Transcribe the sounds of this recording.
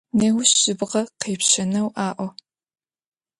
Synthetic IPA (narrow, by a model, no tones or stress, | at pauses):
neːwʊɕɕɪbʁɐqeːpɕɐnɐwʔaːʔʷɔ